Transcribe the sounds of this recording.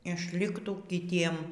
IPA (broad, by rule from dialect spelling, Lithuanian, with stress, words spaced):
ɪʃʲˈlʲɪktuː kʲɪˈtʲiɛm